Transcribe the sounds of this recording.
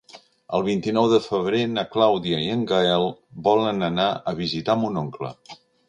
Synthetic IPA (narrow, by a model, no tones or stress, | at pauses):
ə̰lˠβ̞int̪inɔwðəfəβ̞ɾenəklawðiəiəŋɡaɛlˠbɔlənənaʔəβ̞izit̪amunoŋklə̰